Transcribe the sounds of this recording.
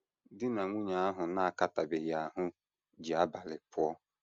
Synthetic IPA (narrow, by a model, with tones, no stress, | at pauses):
dɪ˦na˨ŋʷu˦ɲa˨a˦ɦʊ˨na˦˨ka˦ta˨be˨ja˨ɦʊ˦ | d͡ʒi˨a˦ba˨lɪ˨pɔ˦